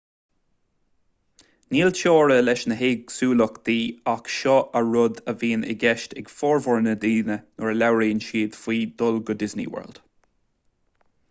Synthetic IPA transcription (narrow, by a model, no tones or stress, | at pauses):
niːlʃoːɹəlɛʃnəɦeːɡsuːlɔkd̪iːakʃɔʔəɹʊd̪əviːnɪ̰ɡɛʃtɛɡ̥fɔːɹvɔɹnəd̪iːnənʊɹəlawɹiənʃiːd̪fiːd̪ɔlɡʊd̪ɪznḭwɛ̰ɹld̥̪